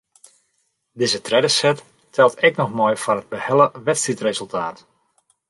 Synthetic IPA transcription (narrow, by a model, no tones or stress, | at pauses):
dɪzətrɛdəsɛt | tʰɛlˠtɛknɔxmɔjfɔnɦəd̚bəhɛlˠəʋɛtstritrezəlˠtʰaːt